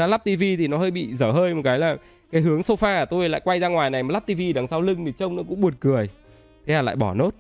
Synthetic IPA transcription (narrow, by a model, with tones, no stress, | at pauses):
aː˧˦la˦˥p̚t̪i˧vi˧t̪ʰi˨˩nɔ˨˦həː˧jɓḭ˧˨zəː˧˩ɦəː˧jm˨˩t̚kaː˨˦jlaː˨˩ | kaː˨˦jɦɨ˨˦əŋso˧faː˧˨˩t̪o˧jla̰ː˧˨jkwa˧jzaː˧ŋwaː˨˩jna˨˩jma˨˩la˦˥p̚t̪i˧vi˧ɗa˨˩ŋsaː˨˧wlɨ˧ŋt̪ʰi˨˩t͡ɕə˧wŋ͡mnɔ˨˦kʊ̰˧˥ŋ͡mɓu˨˩ət̚kɨ˨˩əj | t̪ʰe˨˦haː˨˩la̰ː˧˨jɓɔ˧˩no˦˥t̚